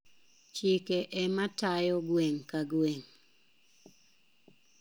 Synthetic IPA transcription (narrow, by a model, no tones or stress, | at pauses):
t͡ʃikeʔɛmatajɔɡweŋkaɡweŋ